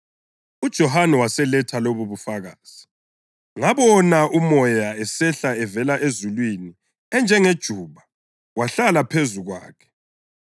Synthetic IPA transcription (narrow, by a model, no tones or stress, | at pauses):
ud̥ʒ̥ʱɔhanɛwasɛlɛtʰaloβuβufaɣaːz̥i | ŋaβɔnaʔumɔjaɛsɛɬaɛvɛlaʔezulwini | ɛnd͡ʒʱɛŋed̥ʒ̥ʱuːβa | waɬalapʰezuɣwa̰ːkʰɛ̥